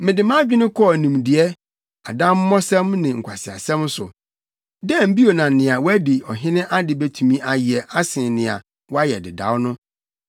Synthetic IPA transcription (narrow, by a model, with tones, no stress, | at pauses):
mɪ̃˨dɪ˨mã˦d͡ʑᶣɪ˦nɪ̃˦kʰɔ˦˨nũ˨mdɪ˨ɛ˦ | a̰˨dã˦mː˦ɔ̃˦sɛ̃˦mnɪ̃˨ŋ̩˨kʷʰa˨sɪ˨a̰˨sɛ̃˦msʊ˨ | dɛ˦˨m̩˦bi˦o˨nã˨n̩˨nɪ̃˨a˨wɔ˦æ˦dɪ˨ɔ˨ɦɪ̃˦nɪ̃˦ʔa˦dɪ˨bɛ˦tʰũ˨mĩ˦ʔa˨jɪ˨ɛ˨ʔa˦sɪ̃˨nɪ̃˨a̰˨ | wɔ˦a˦jɛ˨dɪ˨da̰˨˦wnʊ̃˦